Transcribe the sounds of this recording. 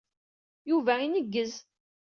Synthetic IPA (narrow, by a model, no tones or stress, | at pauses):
juvæinəɡːəz